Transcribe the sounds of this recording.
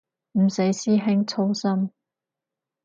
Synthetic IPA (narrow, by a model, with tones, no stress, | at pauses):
m̩˨˩se˨˥jsiː˥ɦɪ˥ŋt͡sʰo˥wsɐ˥m